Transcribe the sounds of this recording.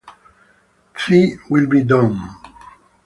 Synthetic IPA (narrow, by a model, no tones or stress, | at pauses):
tʰɹiwilˠbidʌ̃n